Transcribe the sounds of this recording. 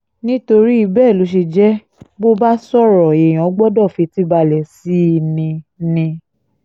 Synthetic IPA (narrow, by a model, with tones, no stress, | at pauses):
nĩ˦to˧ɾi˦i˧bɛː˦˨lo˨˦ʃ̬e˧d͡ʒɛ˦ | bo˦ba˦sɔ˦˨ɾɔ˨e˨j̃ɔ̃˨˦ɡ͡bɔ˦dɔ˦˨fi˨˧ti˦ba˧lɛ˨si˨˦˧nĩ˧nĩ˧